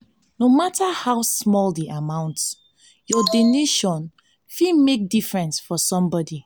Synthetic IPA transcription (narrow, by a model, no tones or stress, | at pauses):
nomatʰahawsmɔldiʔamãʊ̃nts | jɔdoneʃɔ̃n | fimek̚difɹɛ̃nsfɔsɔ̃mbɔdi